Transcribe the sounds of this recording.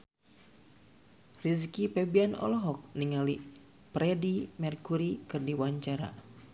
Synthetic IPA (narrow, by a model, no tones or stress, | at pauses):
rizikipɛbianɔ̰lɔɦɔk̚niŋali | pɾɛdimɛrkuɾikɨrdiwaɲt͡ʃaɾa̰